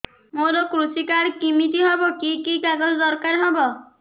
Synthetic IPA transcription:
moɾɔkɾusikaɾkimitiɦɔbɔkikikaɡɔd͡ʒɔd̪ɔɾkaɾɦɔbɔ

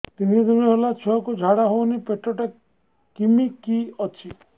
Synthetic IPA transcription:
t̪inid̪uniɦelat͡ʃʰɔɔkud͡ʒʱaɽaɦownipeʈɔʈa | kimikiɔt͡ʃʰi

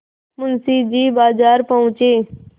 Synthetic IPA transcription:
mʊnsiːd͡ʒiːbaːzaːɾpəʊ̃t͡ʃeː

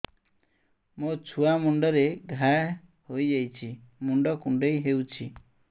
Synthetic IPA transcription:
mot͡ʃʰuamuɳɖɔɾeɡʱaj | hojd͡ʒajt͡ʃʰimuɳɖɔkuɳɖejɦewt͡ʃʰi

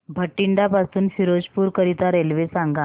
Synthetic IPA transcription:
bʱəʈːiɳɖapasuːnfiɾod͡ʑpuːɾkəɾit̪aɾelʋesaŋɡa

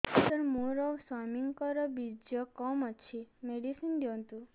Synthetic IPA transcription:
t̪əɾmuɾɔsamiŋkɔɾɔbid͡ʒjɔkɔmət͡ʃʰimeɖisinɖjɔ̃nt̪u

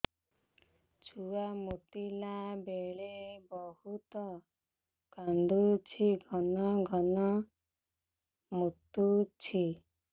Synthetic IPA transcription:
t͡ʃʰuwamut̪ilabeɭebɔhut̪ɔ | kand̪ut͡ʃʰiɡʱɔnɔɡʱɔnɔ | mut̪ːut͡ʃʰi

